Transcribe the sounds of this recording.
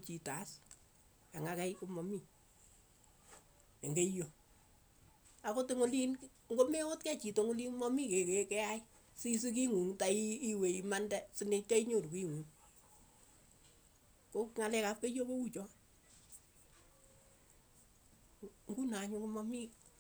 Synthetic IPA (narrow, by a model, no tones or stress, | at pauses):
t͡ʃitas | aŋakɛjkumɔmi | eŋɡejo | akotuŋʊlin | ŋɡomeotkɛt͡ʃitoŋʊlimɔmikekekɛaj | sis̬ik̬iŋuŋtaiːweimandɛsinet͡ʃɔiɲoɾukiŋuŋ | kokŋalɛkap̚kejobout͡ʃɔ | ŋɡunaɲukumɔmi